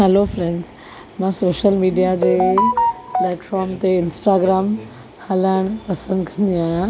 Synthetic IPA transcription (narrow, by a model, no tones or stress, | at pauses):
ɦɛlofɾẽɳɖz | mãsoːʃəlmiːɖijad͡ʑe | pleːʈfɔːɾmt̪eɪnsʈaːɡɾaːm | haləɳ̃pɐsə̃nd̪kʰɐnd̪ijã